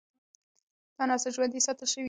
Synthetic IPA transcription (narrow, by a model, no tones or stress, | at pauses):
d̪̥ɑnɑsəʒwand̪isɑt̪əlʃəwi